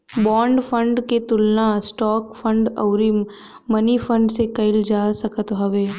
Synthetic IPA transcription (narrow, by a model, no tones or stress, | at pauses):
bɔːɳɖpʰə̃ɳɖket̪ʊlnasʈɔːkpʰə̃ɳɖə̰ʊɾimː | ɐnifʰə̃ɳɖsekɐɪld͡ʒaːsɐkət̪ɦɐʋeː